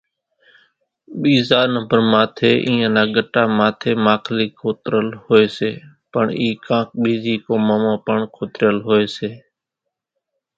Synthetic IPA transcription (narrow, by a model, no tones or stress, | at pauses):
ɓiːzaːɾnəmbəɾmaːt̪ʰeːʔĩːãːnaːɡəʈaːmaːt̪ʰeːmaːkʰliːkʰoːt̪ɾəlhoːeːseː | pəɳiːkãːk̚ɓiːziːkoːmamãːpəɳkʰoːt̪ɾjəlɦoːeːseː